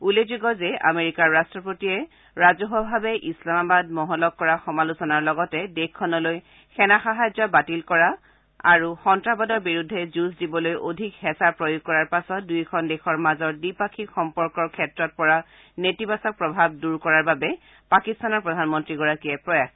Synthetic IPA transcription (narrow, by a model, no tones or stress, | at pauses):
ulezuɡɔzɛa̰meɹikaɹːastɹɔpotiɛ | ɹazɔɦɔbʱabɛʔislamabad̚mɔɦɔlɔk̚kːɔɹaxɔmalusɔnaɹlɔɡɔtɛdekʰːɔnɔloj | xʰɛnaxaɦajzɔbatilkɔɹa | a̰ɹuxɔntɹabɔdɔɹbiɹudʱːɛzusdibɔlojʔodʱikhɛsapɹojuɡ̚kːɔɹaɹpasɔt̚dujkʰɔndexʰɔɹmazɔɹdipakʰixɔmpɔɹkɔɹkʰɛtɹɔt̚pɔɹa | netibasɔk̚pɹɔbʱab̚duɹkɔɹaɹbabɛ | pakistanɔɹpɹɔdʱanmɔntɹiɡɔɹakiɛpɹɔjax